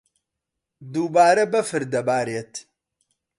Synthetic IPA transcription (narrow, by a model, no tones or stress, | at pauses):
d̪ubaːɾɐbɐfɨɾd̪ɐbaːɾɛt̪ʰ